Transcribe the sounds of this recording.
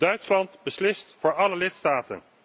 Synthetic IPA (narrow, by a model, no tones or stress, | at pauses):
dœɥtslɑntbəslɪstfʊːɹɑləlɪtstaːtə̰n